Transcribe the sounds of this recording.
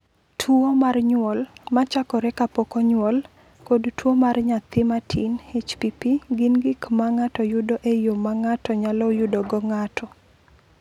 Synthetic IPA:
tʰwuomarɲwɔlmat͡ʃakɔɾɛkapɔkɔɲwɔl | kodtwomarɲat̪ɪmatʰinhet͡ʃpipiɡɪnɡɪkmaŋatɔjʊdoʔejomaŋatɔɲalɔjʊdoɡɔŋatʰɔ

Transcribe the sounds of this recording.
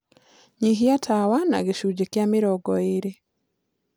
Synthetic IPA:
ɲiɦiatʰawana̰ɡeʃud͡ʒekjamɪɾɔɡɔeɾe

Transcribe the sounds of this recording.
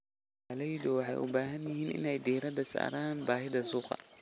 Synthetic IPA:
lɛjðʊwɑħɑ̰jʔʊ̰baːɦɐnt̪ɐɦiːnʔɪ̰nɛjd̪iːɾɐðɐsa̰ːɾaːnbaːɦɪðɐsuːqɑ̰

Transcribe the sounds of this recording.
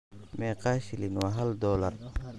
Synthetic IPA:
mɛqɑːʃɪlɪnwaːɦɐld̪ɔːlɐr

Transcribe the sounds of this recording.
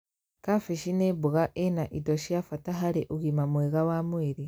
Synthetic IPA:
kafiʃinebuɣaʔenaʔidoʃiafataɦaɾeʔuɣimamweɣawamweɾe

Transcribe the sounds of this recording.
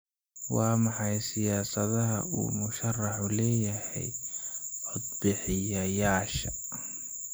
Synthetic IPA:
wɑːmɑħɑjsɪjaːsɐðɐɦɐʔṵːmʊʃɐrɑħʊlɛːjɐhɛ̰j | ʕɔd̪̚bɪħɪjɐjaːʃɐ

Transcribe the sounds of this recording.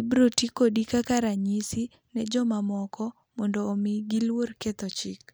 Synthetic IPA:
ibɾotikodikakaɾaɲisi | nɛd͡ʒɔmamɔkɔ | mɔndɔːmɪɡilworket̪ɔt͡ʃɪk

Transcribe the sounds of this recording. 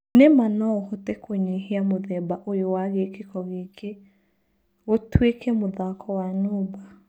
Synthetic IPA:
nemanɔohɔtekoɲeheamoðɛbaʔojowaɣekekɔɣeke | ɣotwekɛmoðakɔwanoːba

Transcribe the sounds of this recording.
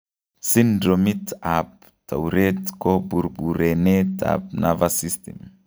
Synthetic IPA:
sindɾomitap̚ | ta̰uɾetkobuɾbuɾeneta̰p̚navasist̪ḛm

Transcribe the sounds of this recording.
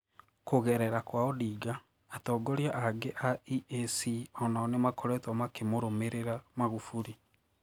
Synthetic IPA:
koɣɛɾɛɾakwaɔdiːɡaː | tɔːɡɔɾjaʔaɡeʔaiesiɔnaːnemakʰoɾɛtɔmakemoɾomeɾeɾamaɣufuɾi

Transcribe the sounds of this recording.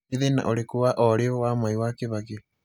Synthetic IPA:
eðena̰ʔoɾekuβaʔɔɾeɔwamaiwakeβake

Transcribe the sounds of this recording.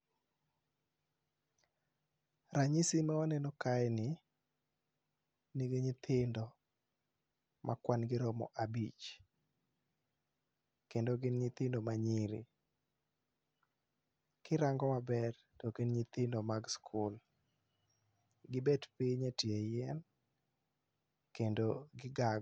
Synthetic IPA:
ɾaɲisimaɔnɛnɔkaɛnɪ | niɡeɲɪt̪ʰɪndɔ | mʔakwanɡɪɾɔmɔ̰ʔabit͡ʃ | kendoɡɪnɲɪt̪ɪndomaɲiɾḭ | kɪɾaŋɡɔmabɛr | tokenɲɪt̪ɪndɔmaɡskʰʊl | ɡɪbɛdpiɲatjejɛn | kendoɡɪɡaɡ

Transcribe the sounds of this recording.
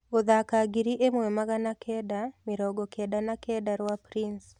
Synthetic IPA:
oðakaɡiɾiʔemwɛmaɣanakʰɛdamɪɾɔɡɔkɛdanakɛdaɾwapɾins

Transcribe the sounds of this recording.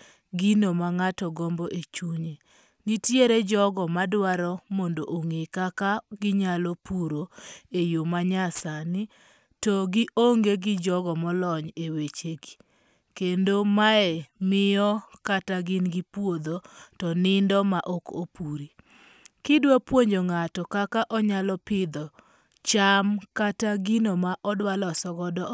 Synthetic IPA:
ɡinomaŋatɔɡɔmboʔet͡ʃuɲe | nitjeɾed͡ʒɔɡɔmadwaɾɔmɔndoʔoŋekakaɡɪɲalɔpuɾoejomaɲasanɪ | tɔɡɪʔoŋɡeɡɪd͡ʒɔɡɔmɔlɔɲewet͡ʃeɡi̥ | kendomaɛmɪjɔkataɡɪnɡɪpwod̪otɔnɪndɔmaʔokopuɾi | kɪdwapwoɲd͡ʒoŋatɔkakaʔɔɲalɔpɪd̪ɔ | t͡ʃamkataɡinomaʔɔdwalɔsɔɡɔdɔ

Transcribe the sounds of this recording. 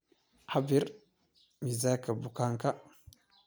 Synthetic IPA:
habiɾ | mizakabukaŋka

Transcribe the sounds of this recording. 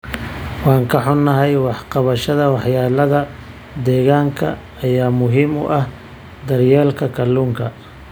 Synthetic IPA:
wɑːŋkʰɐħʊnːɐɦɛjwɑħqɑβɐʃɐðɐwɑħjaːlɐðɐ | d̪ɛːɣaːŋkʰɐ̰ː | jaːmʊɦiːmʊ̰ʔɐh | d̪ɐrjaːlkʰɐkʰɐluːŋkʰɐ

